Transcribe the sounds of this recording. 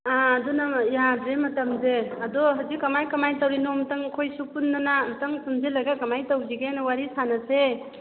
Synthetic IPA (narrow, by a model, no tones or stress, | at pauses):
aːdunajadɾemɐtamzeɐdɔɦawzikːɐmajkɐmajtawɾinɔmtaŋkʰojsupunːanamtaŋsumzilaɡakɐmajtawziɡenwaɾisanase